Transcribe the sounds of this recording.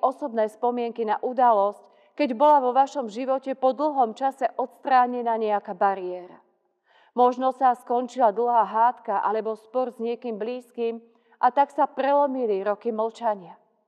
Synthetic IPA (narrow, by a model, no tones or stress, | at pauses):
ʔɔsɔbnɛːspɔmɪɛŋkinaʔud̪alɔsc | kɛɟbɔlaʋɔʋaʃɔmʒiʋɔcɛpɔd̪l̩ɦɔmt͡ʃasɛʔɔt̪st̪ɾaːɲɛnaːɲɛakabaɾiɛːɾa | mɔʒnɔsaskɔnt͡ʃilad̪l̩ˠɦaːɦaːt̪kaʔalɛbɔspɔɾzɲɪɛkiːmbliːskiːm | ʔat̪aksapɾɛlɔmiliɾɔkiml̩t͡ʃaɲɪa